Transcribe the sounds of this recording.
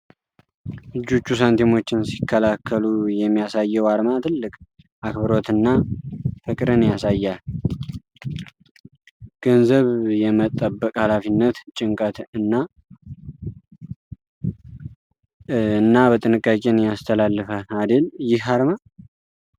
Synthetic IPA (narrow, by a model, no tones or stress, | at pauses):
ɨd͡ʒut͡ʃːus̬ant̪ʰimo̞t͡ʃːɪnsi̥kʰːəlakʰːəlujɛmːijasajːɛwaɾmat̪ʰɨlːɨkʼ | ʔakbɨɾo̞t̪ɨnːafəkʼɾɨnjasajːal | ɡ̥ənzəβjɛmət̪ʼːəbːəkʼhalafinːət̪t͡ʃʼɪŋkʼət̪ɨnːa | ɨnːabət̪ʼɨnɨkʼːakʼe̞njast̪ʰəlalːɨfalad̪ɨljɪhaɾma